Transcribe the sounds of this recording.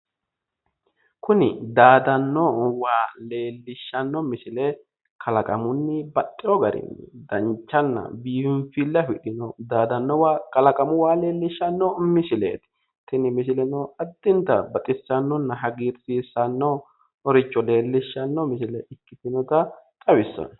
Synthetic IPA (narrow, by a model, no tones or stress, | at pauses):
kʊnɪ̰d̪aːd̪ɐnːɔwaːleːlːɪʃːɐnːɔmɪsɪlɛ | kʰɐlɐkʼɐmʊnːɪbɐtʼːɪjɔɡɐɾɪ̰nːɪd̪ɐnt͡ʃːɐnːɐ̰biːfɪɱfilːɐfɪᶑɪnɔd̪aːd̪ɐnːɔwakʼɐlɐkʼɐmʊwaːleːlːɪʃːɐnːɔmɪsɪlḛːt̪ɪ̥ | t̪ɪnɪmɪs̬ɪlɛnɔɐd̪̥ːɪnt̪ɐbɐt̪ʼɪsːɐnːɔnːɐɦɐɡiɾsiːsːɐnːɔ | ɔɾɪt͡ʃʼːɔle̞ːlːɪʃːɐnːɔmɪsɪlɛʔɪkːɪt̪ɪnɔt̪ɐt̪ʼɐwɪsːɔ̰n